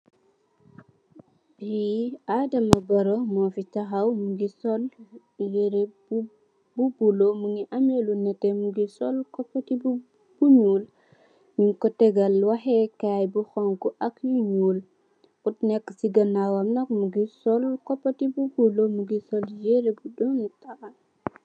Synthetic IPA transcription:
biadɐmɐbɐɾɔmɔfitɐxɐwmuɡisɔl | jeɾeb | bubulomuŋiʔɐmelunɐtɛmuɡisɔlkɔpːɐtib | b̥uɲuːl | ɲuŋkɔtɛɡɐlwɐxɛkajbuxɔŋkuʔɐkjuɲuːl | utnɛkːsiɡɐnawɐmnɐkmuɡisɔlkɔpːɐtibubulomuɡisɔljeɾebudɔnta

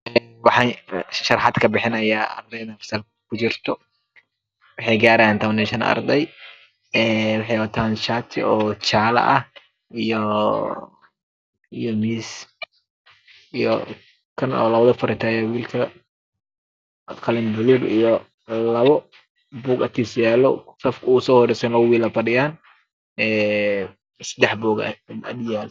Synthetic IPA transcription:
ɛwɑħɑʃɐrħɑd̪kʰɐbɪħɪnɐjaːɐ̰rd̪ɛjðɐfɐ̥sal | kʰʊt͡ʃɪrt̪ʰɔ | wɑħɑjɡaːɾɐant̪ʰɐβɐnɛːʃɐn̰ɐ̰rd̪ɛj | ɛːwɑħɑjwɐt̪ʰaːnʃat̪ʰɪ̰ɔːt͡ʃaːlɐ̰ʔɐh | ijɔ | ijɔmiːs | ijɔ̰ | kʰɐnɔ̰ːlɐβɐðɐfɐɾɪt̪ʰaːjɛwiːlkʰɐ | kʰɐlɪnbʊlubijɔ | lɐβɔ | buːɡɐt̪ʰiːsjaːlɔsɐfkʰʊuːsɔːhɔɾɛsɛnlɐwiːlɐfɐdɪjaːn | ɛː | sɐd̪ɛħbuːɡɐ̰ɐd̪jaːl

